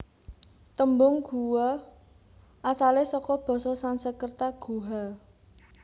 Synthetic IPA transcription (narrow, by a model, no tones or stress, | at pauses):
t̪əmbʊŋɡ̥ṳwɔ | asalesɔkɔb̥ɔ̤sɔsansəkərt̪aɡ̥ṳɦa